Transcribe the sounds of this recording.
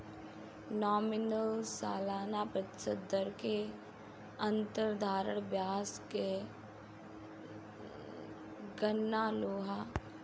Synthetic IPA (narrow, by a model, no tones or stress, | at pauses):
nɔːmɪnəlsa̰ːlaːnapɾət̪ɪ̥səd̪əɾke | ə̃nt̪əɾd̪ʱaːɾəɽ̃bjaːske | ɡənːaːloːɦa